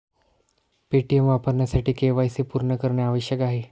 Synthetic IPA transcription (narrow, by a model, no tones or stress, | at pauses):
peʈiemʋapəɾɳjasaʈiːkeʋajsepuɾɳəkəɾɳjaaʋəɕjəkaɦe